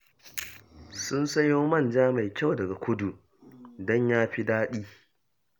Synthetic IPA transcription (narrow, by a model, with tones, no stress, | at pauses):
sʊ˦nsɐ˦joː˦mɐ˦˨nd͡ʒaː˦ma˨jkʲa˦˨wdɐ˨ɡa˨kʷʊ˦du˨ | dɔ˦ɲjaː˦ɸi˦daː˦ɗiː˦